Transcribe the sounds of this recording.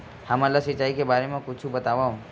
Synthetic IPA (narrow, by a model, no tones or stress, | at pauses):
hɐmalasɪt͡ʃːaːikebaːɾemẽkʊt͡ʃʰubət̪aːʋaũ